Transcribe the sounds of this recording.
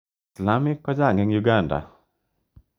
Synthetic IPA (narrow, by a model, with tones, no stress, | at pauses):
sla˦mɪ˦kːɔ˦d͡ʒa˦˨ŋɡɪ˦ŋjuɡa˦˨nda̰˨